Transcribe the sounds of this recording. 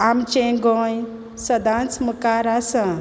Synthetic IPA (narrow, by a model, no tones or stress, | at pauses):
amt͡ʃẽɡɔ̃j | səd̪ãnt͡smukaɾasə̃